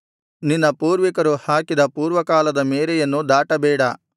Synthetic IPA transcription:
ninːɐpuːɾʋikɐɾuhaːkid̪ɐpuːɾʋɐkaːlɐd̪ɐmeːɾɛjɐnːud̪aːʈɐbɛːɽɐ

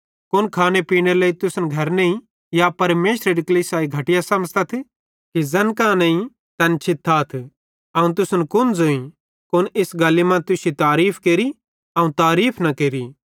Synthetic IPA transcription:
kʊnkʰaːnepiːɽ̃eleːit̪ʊsənɡʱɐɾneĩ | japɐɾmeːʃɾeɾɪklisaːiɡʱɐʈɪjasɐməzt̪ɐt̪ʰ | kizɐnkãːnɐ̃ĩ | t̪ɐnt͡ʃʰɪt̪ʰːaːt̪ʰ | ɐũt̪ʊsnkʊnzoːĩ | kʊnɪsɡɐːlimãt̪ʊsit̪aːɾiːpʰkeːɾi | ɐ̃ũt̪aːɾiːpʰnɐkeːɾi

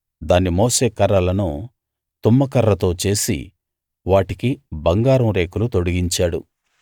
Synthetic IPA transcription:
d̪aːnːimoːse̞ːkɐɾɐlɐnu | t̪umːɐkɐɾːɐt̪o̞ːt͡ʃe̞ːsḭ | ʋaːʈikibɐŋɡaːɾɐmɾe̞ːkulut̪o̞ɽuɡiɲt͡ʃaːɽṵ

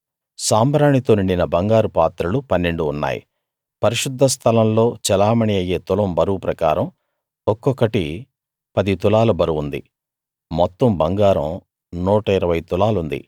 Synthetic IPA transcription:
saːmbɾaːɳit̪o̞ːniɳɖinɐbɐŋɡaːɾupaːt̪ɾɐlupɐnːe̞ɳɖuːnːa̰ːjḭ | pɐɾiʃud̪ʱːɐst̪ʰɐlɐmlo̞ːt͡ʃɛlaːmɐɳiɐjːe̞ːt̪ulɐmbɐɾupɾɐkaːɾɐm | ɔkːɔkːɐʈi | pɐd̪it̪ulaːlɐbɐɾuʋund̪ḭ | mɔt̪ːɐmbɐŋɡaːɾɐ̰m | nuːʈɐiɾɐʋɐjt̪ulaːlund̪ḭ

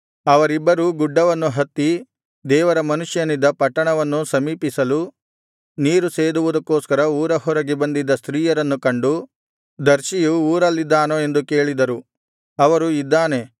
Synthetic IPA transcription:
ɐʋɐɾibːɐɾuɡuɖːɐʋɐnːuɦɐt̪ːi | d̪ɛːʋɐɾɐmɐnuʂjɐnid̪ːɐpɐʈːɐɳɐʋɐnːusɐmiːpisɐlu | niːɾuseːd̪uʋud̪ɐkːoːskɐɾɐuːɾɐhɔɾɐɡebɐnd̪id̪ːɐst̪ɾiːjɐɾɐnːukɐɳɖu | d̪ɐɾʃijuːɾɐlːid̪ːaːnoe̞nd̪uke̞ːɭid̪ɐɾu | ɐʋɐɾuid̪ːaːne̞

